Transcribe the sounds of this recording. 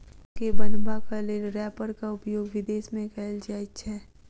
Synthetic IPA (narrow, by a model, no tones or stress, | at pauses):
kebənbakaleːɾɛːpəɾkaʊpjoːɡʋɪd̪eːsmẽkɛld͡ʒaːit͡ʃʰɛː